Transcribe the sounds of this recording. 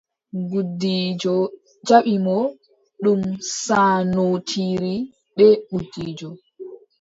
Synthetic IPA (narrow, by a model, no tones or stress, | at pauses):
ɡudːid͡ʒɔ | d͡ʒaɓimɔ | ɗumsanotʰiɾi | ɓɛɓudːiːd͡ʒɔ